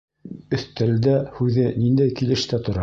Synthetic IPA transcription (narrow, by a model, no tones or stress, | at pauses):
ɵ̆θt̪æld̪æhʉðɘnind̪æjkilɘ̆ʃt̪æt̪ŏɾɑ